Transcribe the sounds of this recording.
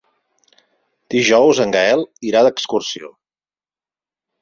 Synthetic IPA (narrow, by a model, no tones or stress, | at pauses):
d̪̥iʒɔwzəŋɡaɛlˠiɾaðəkskursio̰